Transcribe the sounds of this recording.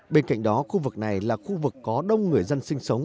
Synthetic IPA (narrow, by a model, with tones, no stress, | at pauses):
ɓe˧nka̰˧˨jŋ̟ɗɔ˨˦xu˧vɨ˨˩k̚na˨˩jlaː˨˩xu˧vɨ˨˩kːɔ˨˦ɗə˧wŋ͡mŋɨ˨˩əjzə˧nsï˧ŋ̟sə˨˦wŋ͡m